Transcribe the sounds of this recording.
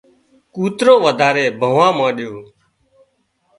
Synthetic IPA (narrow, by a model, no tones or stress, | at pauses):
kuːt̪ɾõːʋəd̪ʱaːɾeːbʱəʋãːmãːɗjoː